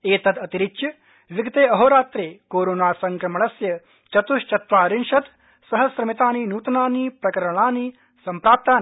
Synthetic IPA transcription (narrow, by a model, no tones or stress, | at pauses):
eːt̪ɐd̪ɐt̪iɾɪkt͡ʃjɐ | ʋiɡt̪eːɐɦoːɾaːt̪ɾeːkoːɾoːnaːsɐŋkɾɐmɐɭɐsjɐ | t͡ʃɐt̪uʃt͡ʃɐt̪ʋaːɾinʃɐt̪ | sɐɦɐsɾɐmit̪aːniːnuːt̪ɐnaːniːpɾɐkɐɾɐɳaːniː | sɐmpɾaːp̚t̪aːn